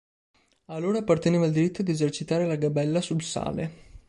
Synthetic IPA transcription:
alːoːɾaːpːart̪eneːvald̪iɾit̪ːod̪iezert͡ʃit̪aːɾelaɡabɛlːasulsa̰ːle

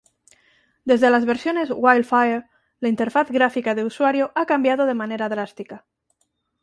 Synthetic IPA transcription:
d̪e̞zðe̞lazβe̞ɾsjo̞ne̞zwajlfaeɾ | laint̪e̞ɾfaθɣɾafikað̞euswaɾjoʔakambjað̞oð̞e̞mãne̞ɾaðɾast̪ika

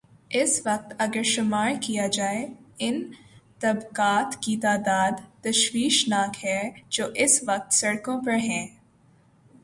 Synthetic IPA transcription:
ɪsʋɐq̚t̪ɐɡəɾʃʊmaːɾkijad͡ʒaːeɪnt̪ɐbkaːt̪kit̪aːd̪aːd̪t̪ɐʃwiːʃnaːkɦɛːd͡ʒoːʔɪsʋɐq̚t̪sɐɽkõpɐɾɦɛ̃ː

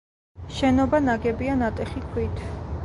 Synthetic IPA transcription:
ʃɛnɔbanaɡɛbianat̪ʼɛχikʰwit̪ʰ

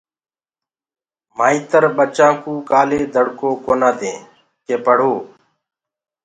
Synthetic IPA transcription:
maːiːt̪əɾɓət͡ʃãːkũːkaːleːd̪ʱəɽkoːkoːnãːd̪ẽː | keːpəɽ̤oː

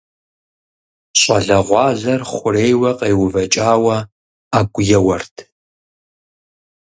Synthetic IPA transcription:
ɕʼɐɮɐʁʷɑːɮɐrχʷʊreːjwɐqejwʊvɐt͡ʃʼaːwɐ | aːɡʷʼʊjɛwɐrtʰ

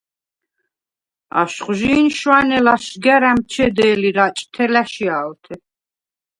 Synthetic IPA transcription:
a̰ʃχʒiːnʃwanɛlaʃɡɛɾamt͡ʃʰɛd̪ɛːliɾat͡ʃʼt̪ʰɛlaʃiaːlt̪ʰɛ

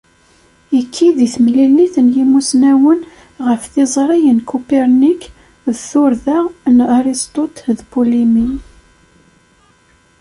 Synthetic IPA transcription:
ikʰːiðiθmlilːiθənjimusnæwən | ʁəfθizˤɾˤijənkupeɾnik | ðθʊɾðaʁnaɾist̪ˤot̪ðbulimi

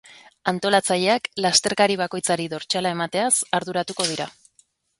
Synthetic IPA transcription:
ant̪o̞lat͡saʎe̞aklast̪e̞ɾkaɾiβ̞ako̞jt͡saɾiðo̞ɾt͡ʃalae̞mat̪e̞asaɾðuɾat̪uko̞ð̞iɾa̰

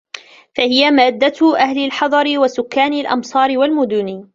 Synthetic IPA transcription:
fahɪjamaːd̪ːaʔahlalħɑd̪ˤɑɾɪwasʊkːaːnalʔɑ̰msˤɑːɾɪwalmʊd̪ʊni

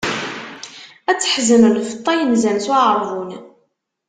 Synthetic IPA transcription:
æt͡sːə̥ħzəmlfət̪ˤːɑjənzænswʕəɾˤvˤun

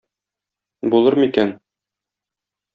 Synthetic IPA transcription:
bulˠɤɾmikæn

